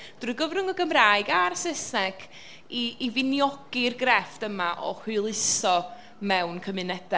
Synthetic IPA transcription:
d̥uɨɡəvrʊŋəɡəmraːɨɡarsəsɛkʰ | iːvɪnjɔɡ̥irɡrɛfd̥əmaʔɔ̰hʊlˠɪsɔ | mɛwnkʰəmɨnɛd̥ɛ

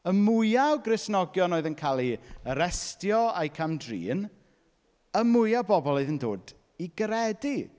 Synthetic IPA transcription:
əmʊjawɡrɪsnɔɡjɔnoːɨðənkʰaːlˠiəɾɛstjɔajkʰamdrḭːn | əmʊjawbɔbɔlˠoɨðəndo̰ːd | iɡɾɛdi

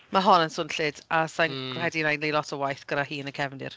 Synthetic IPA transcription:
maɦɔnənsʊnɬɪdasanɡrhɛdinajnlilɔtʰəwajθɡ̥əɾahiːnəkʰɛvndɪ̰r

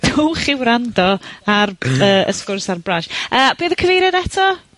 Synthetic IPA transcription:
d̥ʰuːχɪwɾandɔarəːə̰skʊrsarbraʃəːb̥eːðəkʰəvejɾɛdɛtʰɔ

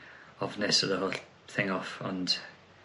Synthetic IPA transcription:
ɔvnɪsəðəhoːl | θɪ̃ŋɔfə̰̃nd̥

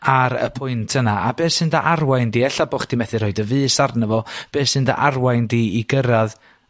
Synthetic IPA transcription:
aɾə̰pʰʊjntʰənaabeːsɨndaʔarwajndiːɛɬabɔχd̥imɛθɨr̥oɨdəvɨːsarnəvɔb̥eːsɨnda̰ʔarwajndiːiɡəɾað

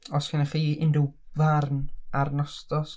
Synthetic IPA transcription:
ɔskʰɪnaχiːɪndɪwvarnarnɔstɔs

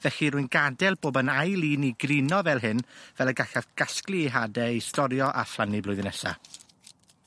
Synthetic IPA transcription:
vɛxiɾʊːjnɡadɛlˠboːbənajlˠiːniɡrinɔvɛlˠɦɨnvɛlˠəɡaxavɡ̥asklˠiːɦadɛistɔɾjɔʔa̰flˠaniblˠʊɨðnɛsa̰

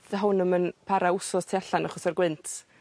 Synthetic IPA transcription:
ðəɦʊnəmənpʰaɾaʊsɔstʰiaɬanaχɔsarɡwɪntʰ

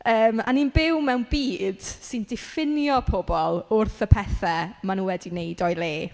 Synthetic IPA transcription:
əːma̰ninbɪwmɛwnbiːd̥sɪndɪfɪnjɔpʰobɔlˠʊrθəpʰɛθɛmanuwɛdinejdɔjlˠeː

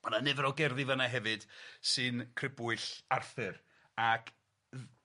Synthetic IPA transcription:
mananɛvɾɔɡɛrðɪvənaɦɛvɨd̥sɨnkʰrɪbʊɨɬarθɨr | akʰ

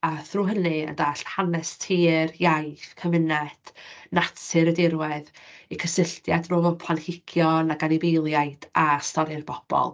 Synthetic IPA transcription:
aθruːɦənɨə̰ndaːɬhanɛstʰiːrjajfkʰəmɪnɛd̥natʰɨɾədɪɾwɛðikʰəsɪɬtjadrʊːvɔpʰanhɪkʰjɔnaɡanibejlˠjajd̥astɔɾɪrb̥ɔb̥ɔ̰lˠ

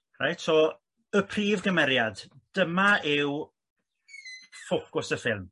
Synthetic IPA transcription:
ra̰jtʰɔ | əpʰriːvɡəmɛɾjad̥ːəmaɪw | fokʊsəfɪlˠm

